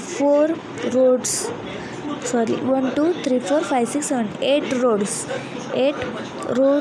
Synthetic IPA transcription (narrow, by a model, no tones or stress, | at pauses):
foɾ | ɾoɖs | sɔɾḭʋənʈuːt̪ʰɾiːfoːɾfajʋsiksːeʋəneʈɾoɽs | eʈ | ɾo